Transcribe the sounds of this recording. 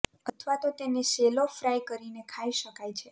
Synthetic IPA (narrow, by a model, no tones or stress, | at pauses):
ət̪ʰʋat̪ot̪eneselofɾajkəɾinekʰaiʃəkajt͡ʃʰe